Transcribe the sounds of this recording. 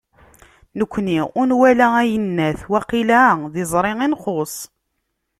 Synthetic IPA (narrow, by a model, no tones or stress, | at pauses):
nəkʷːniʊnwælææjənːæθwæqilæðɪzˤɾˤɪŋinχosˤ